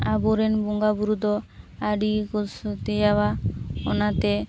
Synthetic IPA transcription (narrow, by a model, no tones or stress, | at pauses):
abuɾɛnbɔŋɡabuɾud̪ɔaɖikɔsɔt̪ɛd͡ʒawaɔnat̪ɛ